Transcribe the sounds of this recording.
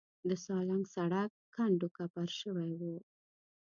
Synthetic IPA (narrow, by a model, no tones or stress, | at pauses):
d̪əsɑlaŋɡsaɽak̚ːaɳɖokapaɾʃəwajwu